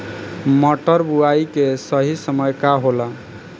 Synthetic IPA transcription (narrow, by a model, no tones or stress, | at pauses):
mɔʈəɾbuaikesəɦisəməjkaɦola